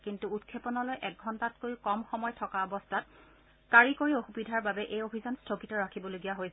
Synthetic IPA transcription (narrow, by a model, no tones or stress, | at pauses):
kintuːtkʰepɔnɔlojʔɛk̚ɡʱɔntatkoɹikɔmxɔmɔjtʰɔkaɔbɔstʰat̚ | kaɹikoɹioxubidʱaɹbabɛʔejobʱizanstʰokitɔɹakʰibɔloɡijaɦojs